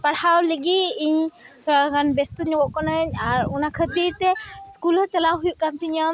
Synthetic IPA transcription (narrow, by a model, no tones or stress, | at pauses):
paɽhawliɡiiɲt̪ʰɔakanbest̪uɲɔɡɔʔkɔnəɲaɾunakʰət̪iɾt̪ɛskulɔt͡ʃəlawɦujuʔkant̪ʰiɲəm